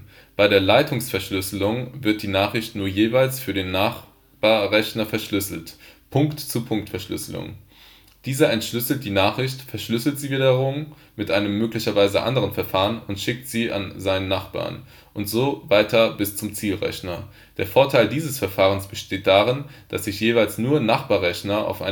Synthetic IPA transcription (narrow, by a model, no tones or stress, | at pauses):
b̥aɪɾeːɐlaɪtʰʊŋsfɛɐʃlʏslʊŋvɪɐt̚d̥iːnaːχʁ̥ɪçtnuːɐjeːvaɪlsfyːɐdeːnːaχ | b̥aːɐʁɛçnɐfɛɐʃlʏsl̩tpʰʊŋktt͡supʰʊŋk̚tfɛɐʃlʏ̰slʊ̰ŋ | d̥iːzɐɛntʃlʏsl̩t̚d̥iːnaːχʁ̥ɪçtfɛɐʃlʏsl̩tz̥iːviːdɐʁʊm | mɪtʔaɪnəmːøːklɪçɐvaɪzə̰ʔa̰ndəʁənfɛɐfaːʁənʊntʃɪk̚tz̥iːʔa̰nzaɪnənːaχb̥a̰ːɐn | ʔʊntz̥oːvaɪtʰɐbɪst͡sʊmt͡siːlʁɛ̰çnɐ | d̥eːɐfoːɐtʰaɪldiːzəsfɛɐfaːʁ̞ənsb̥əʃteːt̚d̥aːʁɪnd̥asz̥ɪçjeːvaɪlsnuːɐnaχb̥aːɐʁɛçnɐʔa̰ʊfʔa̰ɪ